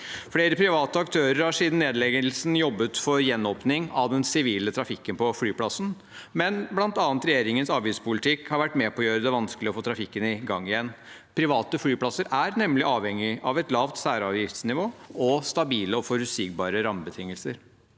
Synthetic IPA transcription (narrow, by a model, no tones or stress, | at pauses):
fɽeːɾəpʰɾɪʋɑːt̪əɑkt̪ʰøːɾəɾhɑʂiːd̪n̩ːeːd̪lɛɡəlsn̩jɔbːət̪fɔɾjɛnːɔːpnɪŋɑʋd̪ɛnsɪʋiːlət̪ʰɾɑfɪkːənpɔfɽyːpʰlɑsn̩ | mɛnblɑnt̪ɑːɑnt̪ɾɛjeːɾɪŋənsɑːʋjɪspʊlɪt̪ʰɪkhɑɾʋæʈːmɛːpʰɔjøːɾəd̪ɛʋɑnskəlɪɔfoːt̪ɾɑfɪkːənɪɡɑŋːɪjɛnː | pʰɾɪʋɑːt̪əfɽyːpʰlɑsːəɾæɾnɛmlɪʔɑːʋhɛŋːɪʔɑʋɛt̪lɑːʋt̪sæːɾɑʋjɪft̪snɪʋoːɔst̪ɑbiːləɔfɔɾʉsɪk̚bɑ̰ːɾəɾɑmbət̪ʰɪŋːəlsəɾ